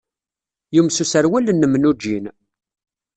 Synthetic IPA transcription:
jumsusəɾwælːənːəmnud͡ʒːin

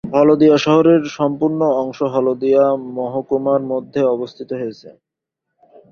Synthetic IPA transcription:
bʱɔlod̪ijaʃɔɦoɾeɾʃɔmpuɾnoɔŋʃoɦɔlod̪ijamɔɦokumaɾmod̪ʱːeɔbost̪ʰit̪oɦoet͡ɕʰḛ

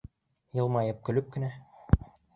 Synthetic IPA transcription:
jɤ̆lˠmɑjɤp̚kɵ̆lɵp̚kɘ̆næ

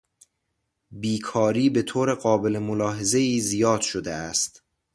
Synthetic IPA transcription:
biːkʰɒːɾiːbe̞t̪ʰoːɾeɢɒːbe̞lemolɒːɦe̞ze̞iːzijɒːd̪̥ʃod̪eæst̪

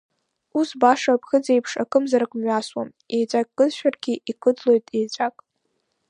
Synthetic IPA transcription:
usbaʂapʰxɨd͡ze̞jpʰʂa̰kʼɨmzaɾakʷʼmɥaswa̰m | e̞jt͡ʃʷʼakʼːɨzʃᶣarɡʲiikʰʼɨd͡zlo̞jtʼejt͡ʃʷʼakʼ

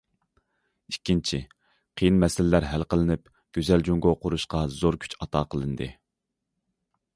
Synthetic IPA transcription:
ikʲːint͡ʃʰi | qʰəjinmɛsɪlɪlæɾɦælqəlˠɨnɪp | ɡ̥ʲøzɛld͡ʒoŋɡoqʊɾuʃqɑzoɾkʲʰy̥t͡ʃɑt̪ʰɑːqʰəlˠɨnd̪ɨ̰

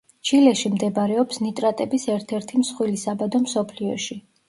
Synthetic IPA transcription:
t͡ʃʰilɛʃimd̪ɛbaɾɛɔpsnit̪ʼɾat̪ʼɛbisɛɾt̪ʰɛɾt̪ʰimsχwilisabad̪ɔmsɔpʰliɔ̰ʃi

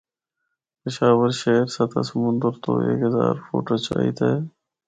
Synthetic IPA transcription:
pɪʃaːʋəɾʃeːɾsɐt̪ʰa̰sɐmʊ̃nd̪əɾt̪o̰ːḛːkɦɐzaːɾfo̰ːʈoːt͡ɕaːḭt̪e

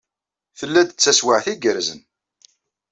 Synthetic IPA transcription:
θəlːæd̪ət͡sːæswaʕθiɡəɾzən

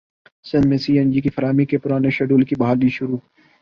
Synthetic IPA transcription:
sɐnmẽsiːənd͡ʒiːkifɐɾaːmikepʊɾaːneʃɐɖuːlkibɦaːldiːʃʊɾuː

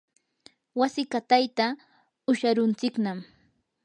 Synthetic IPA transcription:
wasɪkat̪ajt̪a | ʊʃaɾʊnt͡sɪknam

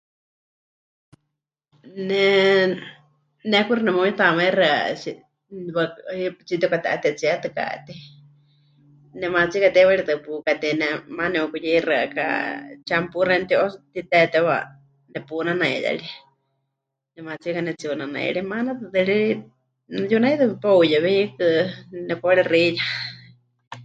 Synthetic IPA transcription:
nɛ | nɛkuɾɨnɛmoit̪amairɨa̰si | wait͡sit̪ɛkat̪ɛʔat̪ɛt͡siat̪ɨka̰t̪i | nɛmat͡sikat̪ɛwaɺit̪ɨpukat̪ɛnɛmanɛukujɛrɨaka̰t͡ʃampurant̪iʔɔt̪it̪ɛt̪ɛwa̰ | nɛpunanãḭja̰ɺi | nɛmat͡sikanɛt͡siunanã̰ɺimanat̪ɨt̪ɨɺii | njunait̪ɨpowjaβiikɨnɛpːɺirija

